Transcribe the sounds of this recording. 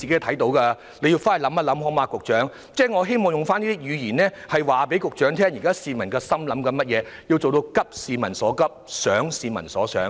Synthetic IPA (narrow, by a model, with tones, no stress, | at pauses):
i˨ke˨˥t̪ʰɐ˨˥jt̪o˨˥wkɐ˧ | le˨˧ji˧wfaː˥n˨˩lɐ˨˥mːɐ˥lɐ˨˥mhɔː˨˥maː˨˧kʊ˨k̚t͡ʃœː˨˥ŋ | t͡sɛː˥˩ŋɔ˨˧ɦe˥jmɔː˨ŋjʊ˨ŋfaː˥niː˥iː˥jyː˨˧jiː˨˩nɛː˥hɐ˨jwaː˨pe˨˥jkʊ˨k̚t͡ʃœː˨˥ŋt̪ʰɛː˥ŋjiː˨˩kaː˥siː˨˧mɐ˨˩nkɛː˧sɐ˥mlɐ˨˥mkɐ˨˧nmɐ˥t̚jɛː˨˧ji˧wtt͡so˨wt̪o˧wkɐ˥p̚siː˨mɐ˨˩nsɔː˨˥kɐ˥p̚sœː˨˥ŋsiː˨mɐ̰˨˩nsɔː˨˥sœ̰ː˨˥ŋ